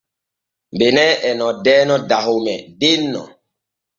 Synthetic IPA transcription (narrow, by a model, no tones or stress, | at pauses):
mbenɛɛnɔ̃dɛːnɔdaɦomɛdenːɔ̰